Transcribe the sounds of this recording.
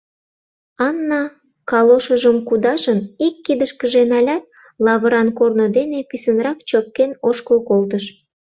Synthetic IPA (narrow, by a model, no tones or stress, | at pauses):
ɑnːɑ | kɑloʃəʒəmkud̪ɑʒənikːid̪əʃkəʒenɑlʲɑt̪̚ | lɑβəɾɑnkornod̪enepisənrɑkt͡ɕop̚kenoʃkəlkolt̪̬əʃ